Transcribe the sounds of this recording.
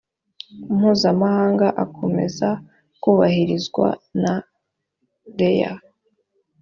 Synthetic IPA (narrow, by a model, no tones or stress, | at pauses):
umhuːzamahaːŋɡaʔakʰo̞me̞̰za | kuːβahiɾizɡwa̰na | deja̰